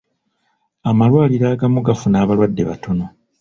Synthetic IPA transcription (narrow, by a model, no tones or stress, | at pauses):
amalwaːliɾaːɡamuɡafunaːβalwadːe̞̰βa̰tʰo̞no̞